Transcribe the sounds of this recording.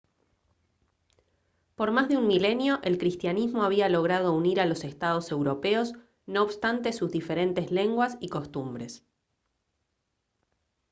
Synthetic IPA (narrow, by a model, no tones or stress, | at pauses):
po̞ɾmazðeunmile̞njo̞ʔe̞lkɾist̪janizmo̞aβ̞ialo̞ɣ̞ɾað̞o̞uniɾalo̞se̞st̪að̞o̞se̞wɾo̞peo̞s | no̞ːβst̪ant̪e̞suzðife̞ɾe̞nt̪e̞zle̞ŋɡwasiko̞st̪umbɾe̞s